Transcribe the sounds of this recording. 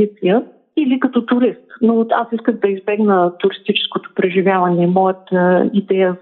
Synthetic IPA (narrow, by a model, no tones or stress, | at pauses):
it̪sijə | ilikɐt̪ɔt̪ʊɾist̪noasiskəxd̪ɐizbɛɡnət̪ʊɾist̪it͡ʃɛ̥skot̪o̥pɾɛʒivʲjavɐnɛmɔjət̪əid̪ɛjə